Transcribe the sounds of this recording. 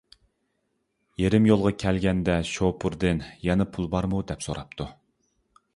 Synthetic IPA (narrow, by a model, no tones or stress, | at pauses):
jeɾɪmjolˠʁɑkʲʰɛlɡʲɛnd̪ɛʃopʰuɾd̪ɪnjɛnɛpʰulˠbɑɾmud̪ɛpsoɾɑp̚t̪ʰu